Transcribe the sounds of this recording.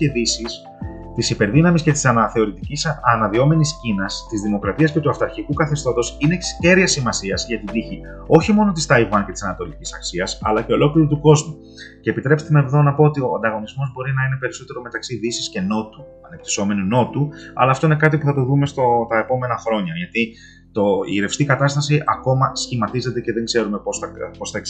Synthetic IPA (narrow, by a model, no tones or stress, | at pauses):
e̞ðisis | t̪isipe̞ɾðinɐmisce̞t̪i̥sɐnɐθe̞oɾit̪icisɐnɐðio̞me̞niscinɐst̪izðimo̞kɾɐt̪iɐscet̪uɐft̪ɐɾçikukɐθe̞st̪o̞t̪o̞sine̞ksce̞ɾiɐsimɐsiɐzʝɐt̪id̪içi | o̞çimo̞no̞t̪ist̪ɐivɐnce̞t̪i̥sɐnɐt̪o̞licisɐksiɐsɐ̰lɐce̞o̞lo̞kliɾot̪uko̞zmu | ce̞ːpit̪ɾe̞pst̪enɐeðo̞nɐpo̞ot̪io̞ɐ̰nd̪ɐɣo̞nizmo̞zbo̞ɾinɐine̞pe̞ɾiso̞t̪e̞ɾo̞me̞t̪ɐksiðisisce̞no̞t̪u̥ | ɐne̞p̚t̪i̥so̞me̞nuno̞t̪uɐ̰lɐːft̪oine̞kɐt̪̬ipuθɐt̪o̞ðume̞st̪o̞t̪ɐe̞po̞me̞nɐxɾo̞ɲɐʝɐt̪i | t̪o̞ḭːɾe̞fst̪ikɐt̪ɐst̪ɐsiʔɐko̞mɐsçimɐt̪ize̞t̪e̞ce̞ðe̞ŋɡze̞ɾume̞posɐpost̪ɐek